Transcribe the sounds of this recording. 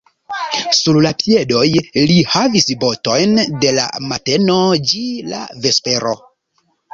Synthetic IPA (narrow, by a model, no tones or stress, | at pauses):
suɾlapie̞do̞jlihavisbo̞to̞jnde̞la̰mate̞no̞d͡ʒila̰ve̞spe̞ɾo̞